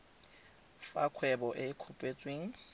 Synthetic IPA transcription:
fakʰwɛbɔʔɪkʰupʼet͡sʼweːŋ̩

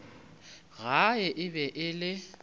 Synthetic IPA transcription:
ɣaɪʔɪbɛʔɪlɪ

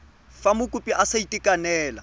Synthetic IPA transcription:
famʊkʼʊpʼiʔasaitʼikʼanɛːla

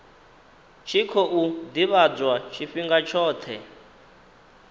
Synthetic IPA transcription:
t͡ʃʰikʰɔʔud̪iβad͡zwat͡ʃʰifiŋɡat͡ʃʰɔːt̪ʰɛ̰

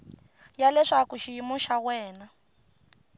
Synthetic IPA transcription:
jalɛʂakuʃiimuʃawɛːna

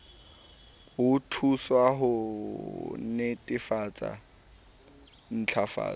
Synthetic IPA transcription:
ʊtʰuswaɦʊ | nɪtʼɪfat͡sʼa̰ | n̩t͡ɬʰafa̰ː

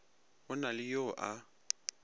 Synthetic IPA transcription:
ʊnalɪjoʔa

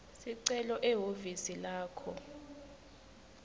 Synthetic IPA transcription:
siǀɛlɔʔɛɦovisilaːkʰɔ

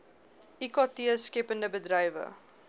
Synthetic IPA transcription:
ikɑtiəskɛpəndəbədrɐjvə̰

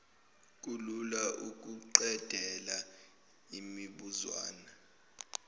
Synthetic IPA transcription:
k̬ʼululaʔuk̬ʼuǃɛd̥ʱɛla | imiɓuzwa̰ːna

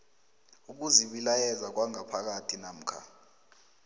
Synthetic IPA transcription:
uk̬uziɓilajɛzak̬waŋapʰak̬atʰinam̩kʰa̰

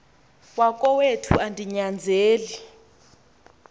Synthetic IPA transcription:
wakʼɔwetʰṵʔandʱiɲand͡zʱeːli

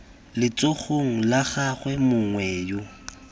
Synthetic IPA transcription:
lɪt͡sʼoχʰoŋ̩laɣaχwɛmʊŋwɛːjo

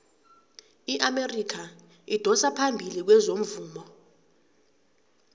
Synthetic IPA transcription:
iʔamerikʰa | id̥ʱɔsapʰambʱilik̬wɛzom̩vuːmɔ

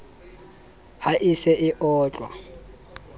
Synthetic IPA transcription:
haʔisɛʔɪʔɔːt͡ɬʼwa̰

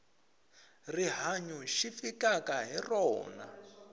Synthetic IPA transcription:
riɦaɲuʃifikakaɦirɔ̰ːna̰

